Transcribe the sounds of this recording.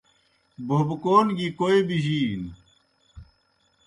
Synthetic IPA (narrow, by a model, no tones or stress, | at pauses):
bʱobkoːnɡikoibiɦiːn